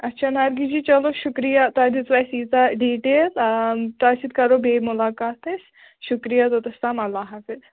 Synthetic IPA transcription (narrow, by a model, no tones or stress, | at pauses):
ɐtːʃʰanaɾɡid͡ʒiːt͡ʃɐloʃʊkɾijat̪oad̪it͡sʋasiːzaɖiːʈeːlt̪oasit̪̚kɐɾobeːmʊlaːkaːt̪es | ʃʊkɾijat̪ot̪ɐst̪aːmɐlːaːɦɐfɪz